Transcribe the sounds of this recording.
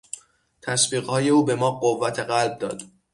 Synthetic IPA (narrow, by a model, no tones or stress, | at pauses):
t̪ʰæsbiːɣhɒːje̞uːbe̞mɒːɢovːæt̪ʰe̞ɢælb̚d̪ɒ̰ːd̪̥